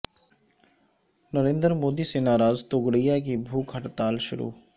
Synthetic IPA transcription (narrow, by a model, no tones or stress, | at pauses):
nəɾẽːnd̪əɾmoːd̪isenaːɾaːzt̪ʊɡɽijak̬ibʱuːkɦəʈt̪aːlʃʊɾṵː